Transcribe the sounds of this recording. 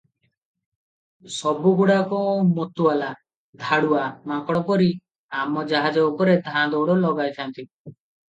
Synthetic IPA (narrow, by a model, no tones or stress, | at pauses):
sɔbuɡuɽakɔmot̪uala | d̪ʱaɽuamakɔɽɔpɔɾi | amɔd͡ʒaɦad͡ʒɔːkɔɾed̪ʱãd̪ɔwɽɔlɔɡajt̪ʰant̪i